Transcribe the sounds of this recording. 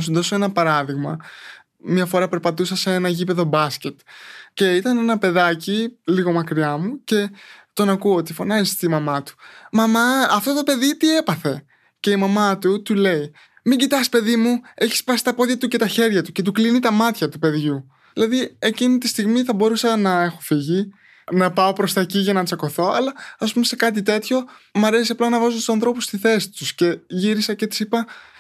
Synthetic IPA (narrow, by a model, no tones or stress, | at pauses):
s̬unðo̞soenɐpɐɾɐðiɣmɐ | mɲɐfo̞ɾɐpe̞ɾpɐt̪usɐsee̞nɐʝipe̞ðo̞bɐsce̞t̪ce̞it̪ɐne̞nɐpe̞ðɐciliɣo̞mɐkɾiɐmuce̞t̪o̞nɐkuoot̪ifo̞nɐzist̪imɐmɐt̪u̥mɐmɐɐft̪o̞t̪o̞pe̞ðit̪ie̞pɐθe̞ | ce̞imɐmɐt̪ut̪ule̞i | miɲɟit̪ɐspe̞ðimue̞çi̥spɐsi̥t̪ɐpo̞ðjʝɐt̪uce̞t̪ɐçe̞ɾʝɐt̪uce̞t̪̬uklinit̪ɐmɐt̪çɐt̪upe̞ðʝu | ilɐðie̞cinit̪ist̪iɣmiθɐbo̞ɾusɐnɐe̞xo̞fiʝi | nɐpɐo̞pɾo̞st̪ɐeciʝɐnɐt͡sɐko̞θo̞ɐ̰lɐːspumese̞kɐt̪̬it̪e̞t̪ço̞ | mɐɾesiɐplɐnɐvɐzot̪usɐnθɾo̞pust̪iθe̞si̥t̪usce̞ʝiɾisɐcet̪i̥sipɐ